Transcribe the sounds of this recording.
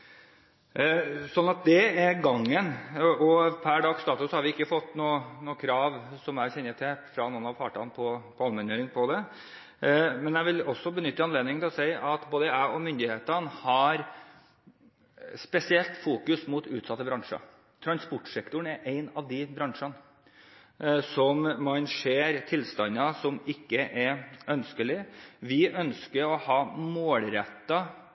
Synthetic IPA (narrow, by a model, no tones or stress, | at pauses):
sɔnːɑt̪̚d̪ɛɛɾɡɑŋːənɔpʰæɖɑːɡst̪ɑːt̪ʉshɑɾʋɪɪkːəfɔt̪ːnuːnuːəkʰɾɑːʋsɔmæɾɕɛnːət̪ʰɛfɾɑnuːnɑʋfɑːʈɑ̰npʰɔpʰɔɑlmɛnøːɾɪŋpʰɔd̪ɛ | mɛnjæɪʋɪlɔsːɔbənʏt̪ːəɑnleːd̪nɪŋʰɪlɔsæɪʔɑt̪boːd̪əæɔmʏnd̪ɪheːt̪ənhɑɾ | spɛsɪɛlt̪fuːkʉsmuːt̪ʉ̰ːt̪sɑt̪ːəbɾɑŋʂɑ̰ | t̪ʰɾɑnspɔʈːʂɛkt̪ʊɳɛɾʔæɪnɑʋd̪ɪbɾɑŋʂɑn | sɔmːɑnʂeːɾt̪ʰɪlst̪ɑnːɑsɔmɪkːəʔɛɾʔœnskəlɪʋɪœnskəɾɔhɑːmoːlɾɛt̪ːɑ